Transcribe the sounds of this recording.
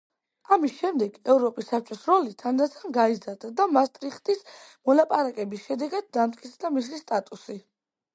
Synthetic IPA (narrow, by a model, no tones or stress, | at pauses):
amisʃɛmd̪ɛɡɛvɾɔpʼisːap̚t͡ʃʼɔsɾɔlit̪ʰand̪at̪sʰanɡaizaɾd̪ad̪amast̪ʼɾiχt̪ʼismɔlapʼaɾakʼɛbisʃɛd̪ɛɡad̪̚ːamt̪ʼkʼit̪sʰd̪amislist̪ʼat̪ʼusi